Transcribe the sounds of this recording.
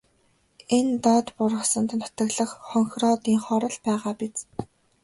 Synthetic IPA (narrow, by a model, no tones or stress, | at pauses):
ent̪ɔt̪pʊrʁə̆sə̆nt̪nʊ̥t̪ə̆ɣɮə̆χχɔŋxrɔːt̪iːŋχɔɾɞ̆ɮpæːʁaːpit͡s